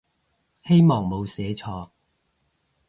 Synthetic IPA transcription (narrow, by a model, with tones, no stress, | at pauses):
he˥jmɔː˨ŋmo˨˧wsɛː˨˥t͡ʃʰɔː˧k̚